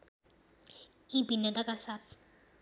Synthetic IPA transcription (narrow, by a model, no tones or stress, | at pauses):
ibinatakasap